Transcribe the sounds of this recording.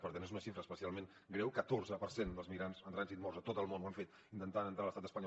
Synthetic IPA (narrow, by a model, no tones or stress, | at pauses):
pəɾt̪enezunəʃifɾəːspəsialˠmẽn | ɡɾɛwkət̪orzəpəɾsend̪əlˠzmiɾanzənt̪ɾanzit̪mɔrzət̪ot̪əlˠmonwaɱfet̪ | int̪ənt̪anənt̪ɾaləst̪at̪əspəɲɔ